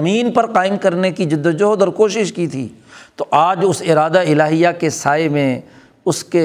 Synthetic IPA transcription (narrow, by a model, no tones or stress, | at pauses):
ɐmiːnpɐɾqaːɪmkɐɾnekid͡ʒɪd̪ːd͡ʒoɦd̪ɔɾkoːʃɪʃkit̪ʰḭːt̪oʔaːd͡ʒʊsɪɾaːd̪aɪlaːɦijakesaːemẽ | ʊske